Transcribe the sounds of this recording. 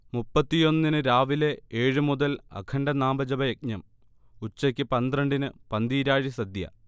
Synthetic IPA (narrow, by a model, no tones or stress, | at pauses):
mupːɐt̪ːijo̞nːinɨɾaːʋile̞eːɻɨmuðɐlɐ̰kʰɐɳɖɐnaːmbɐd͡ʑɐbɐjek̚ɲɐm | ut͡ɕːɐkʲːɨpɐnd̪rɐɳɖinɨpɐnd̪iːɾaːɻisɐd̪jɐ̰